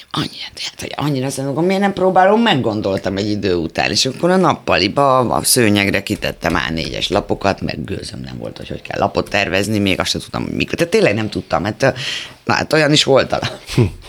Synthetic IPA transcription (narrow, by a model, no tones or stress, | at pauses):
ɒɲːiɾɒt̪e̥t̪ɒ̰ɲːiɾɒsenoɡomenɛmproːbaːlomːɛɡːo̞nd̪o̞lt̪ɒmɛɟːid̪øːut̪a̰ːnʔeːʃɒkːoɾɒnɒpːɒlibɒ̰søːɲɛɡrɛkit̪ɛ̰t̪ːɛma̰ːnḛːɟɛ̰ʃlɒpo̞kɒt̪mɛ̰ɡɡø̰ːzømlɛ̰ɱvolt̪ho̞̰cho̞ckɛ̰lʔɒpo̞t̪ːɛrvɛznimeːɡɒsʃɛnt̪ut̪ːɒ̰mhoɟmḭkot̪aːt̪ːeːlːɛɡnɛmt̪ut̪ːɒmːɛrt̪na̰t̪ːojɒniʃʋo̞lt̪ɒ̰lɒ